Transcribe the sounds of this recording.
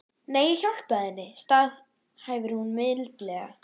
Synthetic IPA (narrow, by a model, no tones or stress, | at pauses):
neːjçawl̥pɛðɪnːɪst̪aːð | haːjvɪɾhunmɪllt̪lɛɣa̰